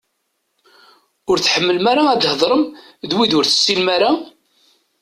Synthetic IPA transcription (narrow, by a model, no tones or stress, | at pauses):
ʊɾθħəmːəlmaɾaæd̪həðˤɾˤəm | ðwiðʊɾθə̥sːinmaɾa